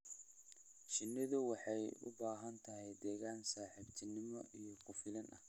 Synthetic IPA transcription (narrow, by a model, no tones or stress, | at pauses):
ʃɪnːɪðʊwɑħɑjʊ̰baːɦɐnt̪ʰɐɦɛjd̪ɛːɣaːnsaːħɪbt̪ʰɪnɪmɔʔijɔkʰʊfɪlɐnɐ̰h